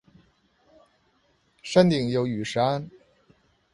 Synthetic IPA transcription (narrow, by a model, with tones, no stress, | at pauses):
ʂa˥nt̪i˨˩ŋjo˨˩˥ʊy˨˩ʂɻ̩˧˥a˥n